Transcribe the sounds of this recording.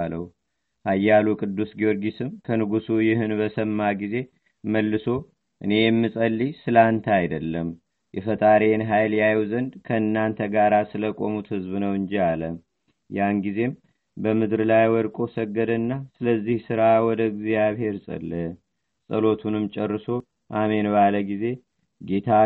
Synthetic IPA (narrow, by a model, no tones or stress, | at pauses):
ləw | hajːalukʼɨd̪ːusɡijo̞ɾɡisɨmkʰənɨɡusujɪɦɨnbəsəmːaɡize̞ | məlːɨso̞ | ʔɨne̞jɛmːisʼəlːisɨlant̪ʰajd̪əlːəm | jɛfət̪ʼaɾenɦajljajɛwzənd̪kʰəɨnːant̪ʰəɡaɾasɨləkʼo̞̰mut̪hɨzbnəwɨɲd͡ʒialəm | janɡize̞m | bəmɨd̪ɾɨlajwɔd̪kʼo̞səɡːəd̪ənːasɨləzːihsɨɾawɔd̪əɡzjaβhe̞ɾsʼə̰lːə | sʼəlo̞t̪ʰunɨmt͡ʃʼɛrːɨso̞ | ʔame̞nbaləɡize̞ | ɡe̞t̪ʰa